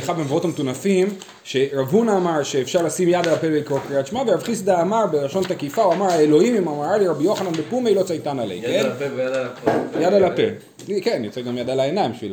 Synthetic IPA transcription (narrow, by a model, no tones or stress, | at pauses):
eχabemvao̞tametunafim | ʃe̞ʁavunaːmaʁʃe̞ːfʃaʁlasimjad̪alapebeikʁokʁiaʃmavejavχisdaːmabelaʃo̞nt̪akifauamaʁaelo̞imimamaʁaliʁabijo̞χananbepumejlo̞t͡sajtanalḛjen | jad̪alapḛ | kenjot͡seɡamjadalaenaĩmbiʃvila